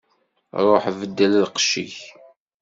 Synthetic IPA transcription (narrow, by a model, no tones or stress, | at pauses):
ɾˤoħvəd̪ːəllqʃḭç